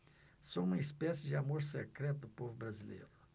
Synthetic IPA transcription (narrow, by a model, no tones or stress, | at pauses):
sõũmɐispɛsɪd͡ʒɪamoɾsekɾɛt̪ʊd̪ʊpovʊbɾazilḛjɾʊ